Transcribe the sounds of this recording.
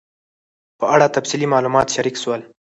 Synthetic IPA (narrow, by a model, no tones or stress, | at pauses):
pəaɽat̪afsilimɑlumɑt̪ʃaɾikswəl